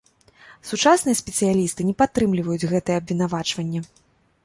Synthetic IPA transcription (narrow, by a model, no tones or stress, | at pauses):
sut͡ʂasnɨjɛɐsʲpʲɛt̪sɨjalʲist̪ɨnʲɛpat̪ːɾɨmlʲivɐjud͡zʲɣɛt̪ɨjɛɐbvʲin̪avat͡ʂvɐnʲːɐ